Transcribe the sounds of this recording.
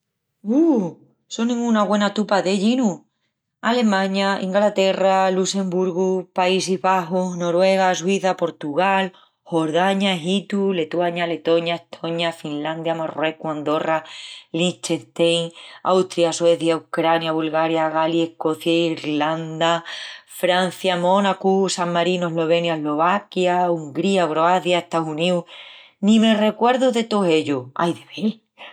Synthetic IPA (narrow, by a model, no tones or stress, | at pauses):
u | sonĩŋɡunaɣwe̞nat̪upaðe̞ʎinu | ale̞mãɲaʔḭ̃ŋɡlat̪e̞ralusẽ̞mbuɾɣupaisiɦβaɦuɦno̞ɾwe̞ɣ̞as̬wiθapo̞ɾt̪uɣal | ho̞ɾðaɲaɦit̪ule̞t̪waɲale̞t̪o̞ɲaeht̪ʰoɲafinland̪jamarwe̞kuand̪o̞ralit͡ʃet̪ejŋawt̪ɾiaswe̞θjawkɾanjaβulɣaɾjaɣaliehko̞θjaiɾland̪afɾan̟θjamo̞nakusaŋːaɾinoeɦlo̞βe̞njaeɦlo̞βakjauŋɡɾiakɾoaθjaeht̪auniu | nĩme̞re̞kwe̞ɾðuðe̞t̪oɦe̞ʎua̰jðe̞βel